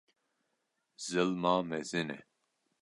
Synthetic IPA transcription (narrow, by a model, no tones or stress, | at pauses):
zɨlmaːmɛzɪnɛ̰